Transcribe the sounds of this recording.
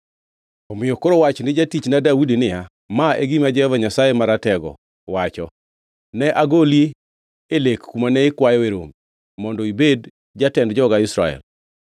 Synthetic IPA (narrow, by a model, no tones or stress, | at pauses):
omɪjɔkoɾɔwat͡ʃnɪd͡ʒatit͡ʃnadawudinɪja | maeɡimad͡ʒɛhɔvaɲasajemaɾatɛɡɔ̰ | wat͡ʃɔ̰ | nɛʔaɡolje | elekkːumanɛɪkwajɔweɾo̰mi | mɔndɔibed | d͡ʒatɛndd͡ʒɔɡaɪsɾa̰ɛ̰l